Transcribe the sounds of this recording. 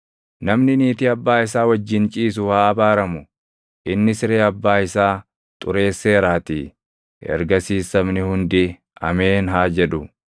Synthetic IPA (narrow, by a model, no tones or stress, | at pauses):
nɐmnɪniːt̪ɪɐbːaːɪs̬aːwɐd͡ʒːɪnt͡ʃʼiːs̬ʊhaːɐbaːɾɐmʊ | ʔɪnːɪsɪɾeːɐbːaːɪsaː | t̪ʼʊɾe̞ːsːe̞ːɾaːt̪ḭ | ɛ̰ɾɡɐsiːsɐmnɪhʊnd̪ɪ | ɐ̰meːnɦaːd͡ʒɛᶑʊ